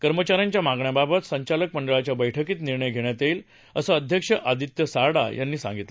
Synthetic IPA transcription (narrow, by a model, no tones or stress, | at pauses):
kəɾmət͡ɕaɾjãɲt͡ɕjamaɡɳjababət̪səɲt͡ɕalək̚məɳɖəɭat͡ɕjabəjʈʰəkiːt̪niɾɳəjɡʱeɳ̃jat̪el | əsəːd̪ʱjəkʂəʔad̪ʱit̪jəsaɽa̰ja̰nːiːsã̰ŋɡit̪l